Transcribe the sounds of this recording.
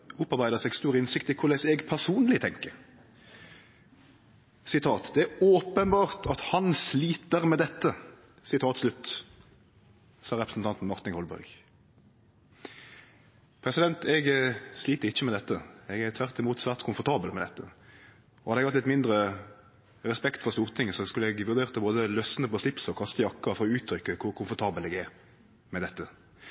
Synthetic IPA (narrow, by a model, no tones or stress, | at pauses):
ʊpɑʁbæɪd̪əsɛɡst̪uːʁəɪnsɪkt̪ɪkʰʊlɛsɛɡpʰæʁsuːnlɪt̪ʰɛŋkə | sɪt̪ʰɑːt̪d̪ɛæɾoːpənbɑːʁt̪ʰɑt̪hɑnsliːt̪əɾmɛd̪ɛt̪ːə | sɪt̪ʰɑːt̪slʉt̪ː | sɑːɾɛpɾəsn̩t̪ɑnt̪n̩mɑʁt̪ɪŋhɔlbœ̰ɾɡ | pʰɾɛsɪd̪ɛnt̪ʰɛɡsliːt̪əɾɪçːəmɛd̪ɛt̪ːəɛɡæʁt̪ʰʋæʁt̪ɪmuːt̪sʋæːʁt̪kʰʊmfɔʁt̪ʰɑːbəlmɛd̪ɛt̪ːə | ɔhɑd̪əɛɡhɑt̪lɪt̪mɪnd̪ɾə | ʁɛspɛkt̪fɔʁst̪uːʁt̪ʰɪŋəsɔskʉləɛɡʋʉʁd̪eːʁt̪əboːd̪əlœsənəpɔslɪpsɔkʰɑst̪əjɑkːəɾfɔɾɔʉːt̪ʰɾʏkːəkʰʊɾkʰʊmfɔt̪ʰɑːbəlɛːɡæʁ | mɛd̪ɛt̪ːə